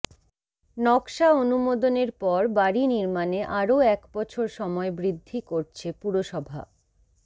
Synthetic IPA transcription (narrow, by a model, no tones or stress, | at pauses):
nɔkʃaonumod̪oneɾpɔɾbaɾiniɾmaneʔaɾoɛkbɔt͡ɕʰoɾʃɔmɔebɾid̪ʱːikoɾt͡ɕʰepuɾoʃɔbʱa̰